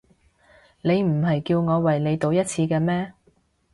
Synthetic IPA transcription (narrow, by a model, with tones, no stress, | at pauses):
ne˨˧jm̩˨˩ɦɐ˨jkiː˧wŋɔː˨˧wɐ˨jnle˨˧jt̪o˨˧wjɐ˥t̚t͡sʰiː˧kɛː˧mɛː˥